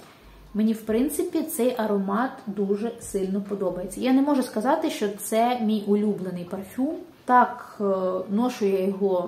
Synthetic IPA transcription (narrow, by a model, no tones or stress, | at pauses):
menʲiwpɾɪnt̪sɪpʲit̪sɛjʔɐɾɔmɑt̪d̪uʒɛsɪlʲnɔpɔd̪ɔbɐjet͡sʲːɐjanɛmɔʒʊskɐzɑt̪ɪʃt͡ʃɔt̪sɛmʲijʔʊlʲublˠenɪjpɐrfʲum | t̪ɑk | nɔʃʊjɛjɔɦɔ